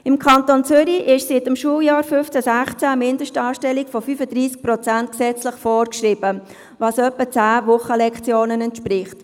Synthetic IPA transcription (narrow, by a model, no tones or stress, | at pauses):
ɪmkʰɑntont͡sʏɾiʔɪʃsɪtəmʃuːəljɑːɾfʏft͡sæsæχt͡sæmɪndəʃtɑːʃtɛlikfɔfyːfədɾiːsk̚pɾɔt͡sænt̚ksɛt͡slɪχfɔːrkʃrɪb̥ə | vɑːsœpːət͡sæːvʊχəlɛkt͡sjoːnənɛntʃpɾɪχt